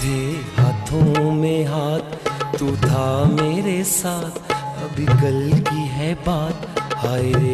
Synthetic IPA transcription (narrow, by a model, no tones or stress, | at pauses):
d̪ʱeɦaːt̪ʰõmẽɦaːt̪ʰːud̪ʱameːɾesaːt̪ʰɐbʱiɡəlkiɦɛbaːt̪haːɾe